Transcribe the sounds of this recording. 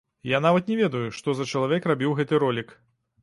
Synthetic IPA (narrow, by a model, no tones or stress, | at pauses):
jan̪avɐt̪nʲɛvʲɛd̪ɐjuʂt̪ɔzɐt͡ʃɐlˠavʲɛkrabʲiwɣɛt̪ɨɾɔlʲik